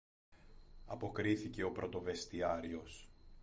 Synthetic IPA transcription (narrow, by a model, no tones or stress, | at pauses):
ɐpo̞kɾiθice̞o̞pɾo̞t̪o̞ve̞st̪iɐɾio̞s